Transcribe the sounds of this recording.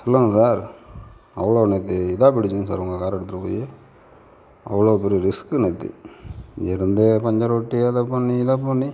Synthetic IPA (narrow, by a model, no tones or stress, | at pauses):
sɔlːɐŋɡɐsaːɾ | ɐ̰ʋːɐɭoːnet̪ːɯɪðaːpɪɽɪt͡ʃːɯnsaːɾʊŋɡɐkaːɾɛɽɯt̪ːɯɾɐpo̰ːje | ɐ̰ʋːɐɭoːpɛɾijɐɾɪskɯnet̪ːḭ | ɛɾɯnd̪epɐɲd͡ʒɐɾoʈːiaːðɐpɐɳːiɪðap̬ɐɳːi